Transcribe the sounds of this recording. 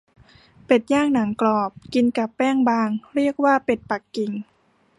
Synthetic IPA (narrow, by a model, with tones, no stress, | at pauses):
pe˨˩t̪̚jaː˥˩ŋ̚na˩˦ŋklɔː˨˩p̚ki˧nka˨˩pːɛː˥˩ŋbaː˧ŋɾi˥˩ək̚waː˥˩pe˨˩t̪̚pa˨˩kːi˨˩ŋ